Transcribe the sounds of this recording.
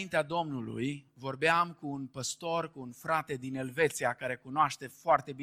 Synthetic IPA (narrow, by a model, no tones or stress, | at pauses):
int̪ead̪o̞mnulṵjvo̞rbeamkuːnpəst̪o̞rkuːnfɾat̪e̞d̪ine̞lve̞t̪siakaɾe̞kunoaʃt̪e̞foart̪e̞bi